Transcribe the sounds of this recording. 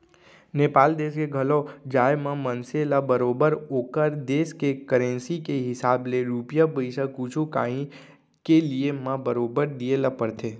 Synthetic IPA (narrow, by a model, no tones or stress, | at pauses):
neːpaːld̪eːskeɡʱəlod͡ʒaːjmãmənselabəɾoːbəɾoːkəɾd̪eːskekəɾẽːnsikeɦɪsaːbleɾuːpjapəɪʃakuːt͡ʃʰuka̰ːĩ | keliemãbəɾoːbəɾd̪ielapəɾt̪ʰeː